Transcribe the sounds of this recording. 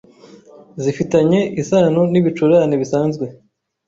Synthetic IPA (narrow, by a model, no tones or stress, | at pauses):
zifitaɲe̞isanoniβit͡ʃuɾaːniβisaːnzɡwe̞